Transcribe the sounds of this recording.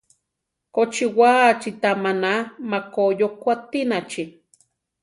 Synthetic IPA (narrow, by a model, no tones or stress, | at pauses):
kot͡ʃiwat͡ʃit̪amanamakojokʷat̪inat͡ʃi